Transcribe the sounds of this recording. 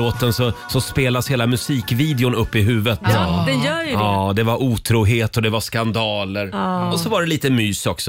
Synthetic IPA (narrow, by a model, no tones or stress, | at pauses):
oːt̪ənsɔsɔspeːlasheːlamɵsiːkviːd̪ɛʊnɵpːɪɦʉ̟ːvət̪ːd̪ɛjœːjɑːd̪ɛvaɾʔuːt̪ʰɾuːɦeːt̪ɔd̪ɛvaʂkand̪ɑːləɾɔsɔvaɖɛliːt̪əmyːsɔksɔ